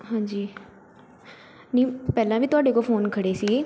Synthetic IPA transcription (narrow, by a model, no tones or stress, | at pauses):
ɦãːɲd͡ʒiː | niːpɛːlãːʋiːt̪ʊaːɖeːkofʰoːnkʰəɽeːsie